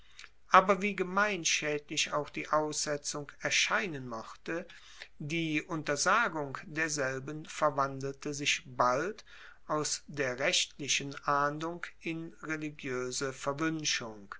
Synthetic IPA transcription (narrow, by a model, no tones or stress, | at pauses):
ʔaːbɐviːɡəmaɪnʃɛːtlɪçaʊxd̥iːʔaʊsz̥ɛt͡sʊŋɛɐʃaɪnənmɔχtə | diːʔʊntɐzaːɡʊŋd̥eːɐzɛlbənfɛɐvandl̩təzɪçbalt | ʔaʊsd̥eːɐʁɛʃtʰlɪʃənʔaːnlʊŋkɪnʁeliɡjøːzəfɛɐvʏnʃʊŋ